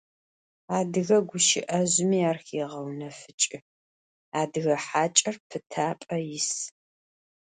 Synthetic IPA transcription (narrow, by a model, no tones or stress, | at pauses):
aːdɨɣɐɡʷʊʃɪ̰ʔɐʑmiːaːrxeːʁɐwnɐfɨt͡ʃʼɪ | aːdɨɣɐħaːt͡ʃʼɐrpʰɨtʰaːpʼɐjɪs